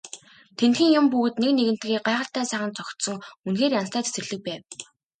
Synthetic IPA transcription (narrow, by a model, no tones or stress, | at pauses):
t̪ʰent̪xĭːŋjʊmpuɣ̆t̪nekneɣɘ̆n̥t̪ɡiːɢaːʁə̆ɬt̪æːsæːχə̆nt͡sɔkt̪sɞ̆ŋunxeːrjanst̪ʰæːt͡sʰe̥sɘ̆rɮɘ̆k̚pæːw